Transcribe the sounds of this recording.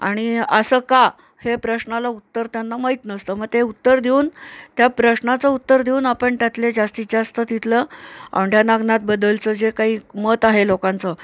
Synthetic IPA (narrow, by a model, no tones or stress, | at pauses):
a̰ɽ̃iəsəka | hepɾəɕnalaut̪ːəɾt̪janːaməɦit̪nəst̪əməɡt̪eut̪ːəɾd̪ʱeuːnt̪japɾəɕnat͡səut̪ːəɾd̪ʱeuːnapəɳt̪jat̪led͡zast̪iːd͡zast̪ət̪it̪ʰləa̰ʋɳɖjanaɡnat̪̚bəd̪əlt͡səd͡zekaɦiːmət̪aɦelokãnt͡sə